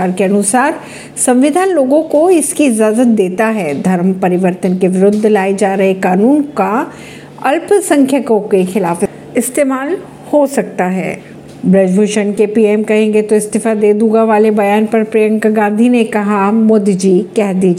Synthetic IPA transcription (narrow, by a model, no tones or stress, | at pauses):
aːɾkeɐnʊsaːɾ | sɐ̃mʋɪd̪ʱaːnloːɡõkoɪskiɪd͡ʒaːzət̪̚d̪eːt̪aɦɛːd̪ʱɐɾmpɐɾɪʋəɾt̪ənkeʋɪɾʊd̪ʱːlaːid͡ʒaːɾɐɦekaːnuːnka | ɐlpsɐ̃ŋkʰjəkõkexɪlaːf | ɪst̪eːmaːl | hosɐk̚t̪aɦɛ̰ː | bɾɐd͡ʒbʱoːʃənkepiːɛmkɐɦẽːŋɡet̪oɪst̪ɪfad̪eːd̪uːɡaʋaːlebɐjaːnpɐɾpɾejə̃ŋkɡãːnd̪ʱinekɐɦamʊd̪d͡ʒiːkɛɦd̪iːd͡ʒ